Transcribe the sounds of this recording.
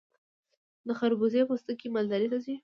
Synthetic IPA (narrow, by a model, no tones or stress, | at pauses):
d̪əxaɾbuzepast̪əkimald̪aɾit̪azi